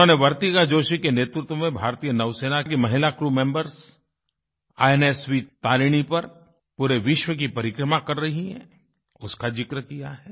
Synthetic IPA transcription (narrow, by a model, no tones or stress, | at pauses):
õneʋɐɾt̪ikad͡ʒoːʃikeneːt̪ɾɪt̪wõmẽbʱaːɾt̪ijənɐʋseːnakkemɐɦɪlakɾuːmẽːmbəɾs | aːeneːsʋit̪aːliɽ̃ipɐɾ | puːɾeʋɪʃwək̬ipɐɾɪkɾəmakɐɾːɐɦiɦɛ̰̃ | ʊskad͡ʒɪkɾəkijaɦɛː